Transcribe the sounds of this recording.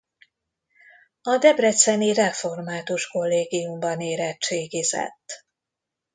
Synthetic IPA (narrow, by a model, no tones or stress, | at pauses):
ɒd̪ɛbrɛt̪sɛnirɛfo̞rmaːt̪uʃko̞lːeːɡijumbɒneːɾɛt͡ʃeːɡizɛ̰t̪ː